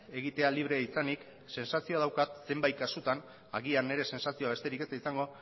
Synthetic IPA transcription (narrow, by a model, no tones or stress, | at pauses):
e̞ɣit̪e̞aliβ̞ɾe̞aisanik | se̞nsasio̞aðawkat̪se̞mbajkasut̪an | a̰ɣiane̞ɾe̞se̞nsasio̞aβe̞st̪e̞ɾikest̪aisaŋɡo̞